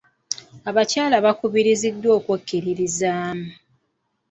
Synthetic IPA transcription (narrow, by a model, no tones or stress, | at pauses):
aβacaːlaβakuβiɾizidːwo̞ːkwakːiɾiɾizaːmu